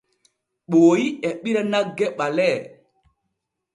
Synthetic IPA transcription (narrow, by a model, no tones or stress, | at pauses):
ɓoːjiɛɓiɾanaɡɛɓalɛ